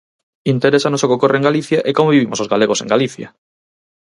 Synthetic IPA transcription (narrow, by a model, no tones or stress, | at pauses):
int̪eɾesanosokeokorʔeŋɡaliθjaʔekomoβiβimosozɣaleɣosḛ̃ŋɡaliθja̰